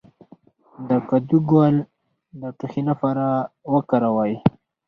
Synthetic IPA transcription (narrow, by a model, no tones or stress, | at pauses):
d̪əkad̪uɡwal | d̪əʈuxinafaɾawəkaɾawaj